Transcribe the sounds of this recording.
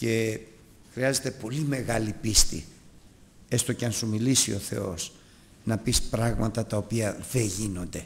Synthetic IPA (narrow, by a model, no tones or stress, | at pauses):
ce̞ | xɾiɐze̞t̪epo̞lime̞ɣɐlipist̪ḭ | e̞st̪o̞ceɐnsumilisio̞θe̞̰o̞̰s | nɐpispɾɐɣmɐt̪ɐt̪ɐopiɐðe̞ʝino̞nd̪e̞